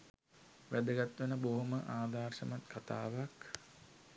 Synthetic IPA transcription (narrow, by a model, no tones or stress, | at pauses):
ʋæd̪əɡat̪ʋənəboɦuməʔaːd̪aːrʂəmat̪kʰat̪a̰ːʋak